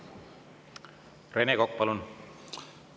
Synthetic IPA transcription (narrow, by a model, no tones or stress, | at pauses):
renekok̚ːpɑlun